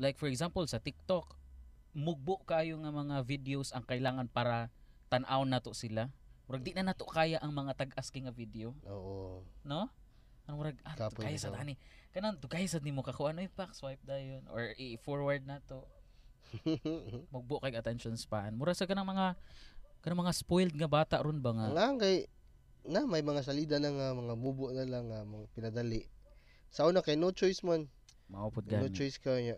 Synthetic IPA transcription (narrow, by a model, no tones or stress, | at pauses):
lajk̚fɔɹɛɡsampolsɐt̪ɪk̚t̪ok | mʊɡ̚boʔkaːjoŋɐmɐŋavid̪eosɐŋkɐʔɪlaːŋɐnpaːɾɐ | t̪ɐnʔawnːaːt̪oʔsɪlamʊɾaɡ̚d̪ɪʔnɐnaːt̪okaːjaʔɐŋmɐŋat̪ɐɡʔaskɪŋɐvid̪eooʔono | ɐnomʊɾaɡ̚ʔaaːjasɐd̪aːnɪkɐnaŋd̪ʊɡajasɐd̪nɪmokɐkoʔanoɪpakswajp̚d̪ajonʔo̰ɹɪʔfoɹwaɹd̪̚naːt̪o | mʊɡ̚bʊʔkajɡɐt̪ɛnʃonspaʔanmʊɾasɐkɐnaŋmɐŋa | kɐnaŋmɐŋaspojld̪̚ŋɐbaːt̪aʔɾʊnbaŋaŋakaj | namɐjmɐŋas̬ɐliːd̪alaŋamɐŋabubʊʔnalaŋːamɐpɪnɐd̪alɪʔ | sɐʔuːnakajnot͡ʃojsman | maʔupʊt̪̚ɡanot͡ʃojskaɲa